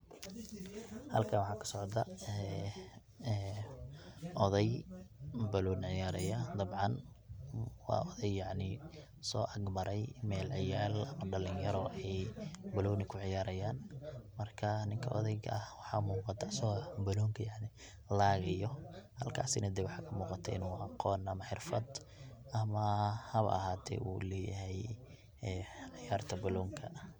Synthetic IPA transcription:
hɐ̰lkʰɐnwɑħɑːkʰɐ̥sɔʕd̪ɐɛ | ʔɔðɛj | bɐlɔːnʕɪjaːɾɛjɐd̪ɐbʕɑn | wɑ̰ːɔðɛjjɑʕnɪ | sɔːʔɐɡmɐɾɛjmɛːlʕɪjaːlɐmɐɖɐlɪnjɐɾɔʔɛjbɐlɔːnɪkʰʊʕɪjaːɾɐjaːnmɐrkʰɐnɪŋkʰɐʔɔ̰ðɛjɣɐhwɑħɑːmuːqɑt̪ʰːsɐɔbɐlɔːŋkʰɐjaʕnɪ | laːɣɐjɔhɐlkʰa̰ːsɪnɐd̪ɛwɑħɑːkʰɐmuːqɑt̪ʰɐʔɪ̰nuːɐqɔːnɐmɐħɪrfɐd̪ | ʔɐmɐhɐβʔɐ̰haːt̪ʰɛ̰ːʔṵlɛːjɐɦɛj | ɛʕɪjaːrt̪ʰɐbɐlɔːŋkʰɐ

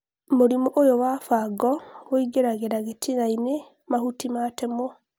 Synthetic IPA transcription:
moɾimoʔojowafaɡɔβoiɡeɾaɣeɾaɣetʰiɣaine | mahutimatɛmɔ

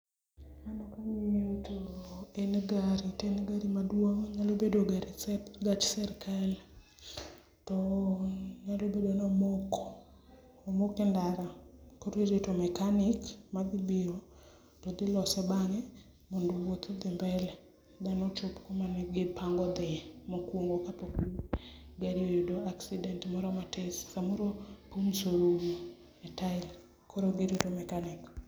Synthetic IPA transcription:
anakaɲejotoenɡaɾitenɡaɾimadwoŋɲalobedoɡaɾsɛɡat͡ʃsɛɾkɛl | tɔ | ɲalobedoanɔmok | mokendaɾakoɾiɾetomɛkanɪkmad̪ɪbɪo | tɔd̪ɪlɔsɛbaŋɛ | mondowot̪ɔd̪ɪmbɛlɛ | d̪anot͡ʃopkomanɛɡɪpaŋɡɔd̪ɪmokwoŋɡokapokuɡaɾiojedoaksidɛntmɔɾɔmatʰesːamoɾopumsoɾoɡo | ɛtaɪl | kʰoɾoɡeɾetomɛkanɪk

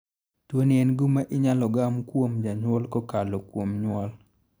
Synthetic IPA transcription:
twoniɛnɡumaʔɪɲalɔɡamkwomd͡ʒaɲwɔlkɔkalokwomɲwɔl

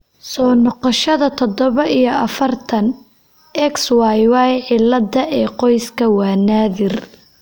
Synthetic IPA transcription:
sɔːnɔqɔʃɐðɐt̪ʰɔd̪ɔβɐʔijɞɐfɐrt̪ʰɐn | ʔɛkswɑjwɑjʕɪlːɐdɐʔɛːqɔjskʰɐwɑːnaːðɪr

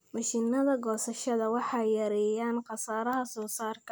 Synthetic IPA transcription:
mɐʃinɐðɐɡɔːsɐʃɐðɐwɑħɑjjɐɾɛjaːnqɑsaːɾɐɦɐsɔːsaːrkʰɐ

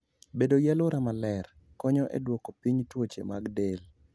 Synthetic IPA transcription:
bedojɛlʊɾamalɛr | kɔɲɔʔḛdwɔkopiɲtwot͡ʃḛmaɡdel

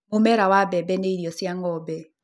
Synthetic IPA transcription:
mʊmɛɾawabɛbɛneiɾjɔsjaŋɔbɛ

